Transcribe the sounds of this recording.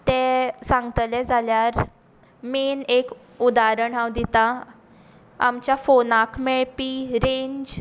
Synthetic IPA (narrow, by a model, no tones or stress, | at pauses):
t̪ɛ̃sãŋɡt̪lɛd͡zʱaljaɾ | menek | ud̪aɾəɳɦãwd̪it̪a | a̰mt͡ɕjafonakmeɭpiːɾẽɲd͡ʑ